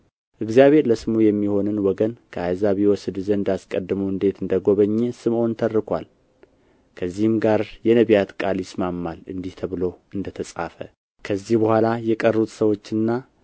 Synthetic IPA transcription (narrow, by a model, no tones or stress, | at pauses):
ʔɨɡzijaβe̞ɾləsɨmujɛmːiho̞nɨnwɔɡənkʰəajzaβewɔsɨd̪ɨzənɨnd̪askʼəd̪ːɨməwɨnd̪e̞t̪ɨnd̪əɡo̞βəɲːesɨmʔo̞nt̪ʰərːɨkʰʷa̰l | kʰəzːihɨmɡaɾjɛnəβjat̪kʼaljɪsmamːalɨ̰nd̪iht̪ʰəβɨlo̞ɨnd̪ət̪ʰəsʼa̰fə̰ | kʰəzːihbəhʷalajɛkʼərːut̪səwo̞t͡ʃːɨnːa